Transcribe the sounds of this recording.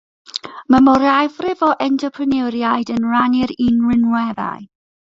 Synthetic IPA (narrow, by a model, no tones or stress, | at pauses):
məmɔɾavrɪvɔʔɛntʰəpʰrənɛwɾjaɨdənranɪɾinrɪnwɛða̰j